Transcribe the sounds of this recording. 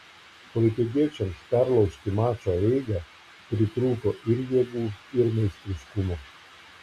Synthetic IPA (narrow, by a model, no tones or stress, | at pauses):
pɔlʲɪt̪ʲɪɡ̪ʲiɛt͡ʃʲɛmspʲæɾlˠɐʊsʲt̪ʲɪmɑːt͡ʃoɛɪɡɑ | pʲɾʲɪt̪ɾuːkoːʔɪɾjɛɡuːɪɾmʲɛɪsʲt̪ʲɾʲɪʃkʊmo